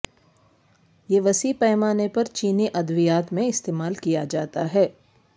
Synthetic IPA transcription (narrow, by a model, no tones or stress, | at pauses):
jeːʋɐsipɛːmaːnepɐɾt͡ʃiːniʔɐd̪ʋijaːt̪mẽɪst̪eːmaːlkijad͡ʒaːt̪aɦɛː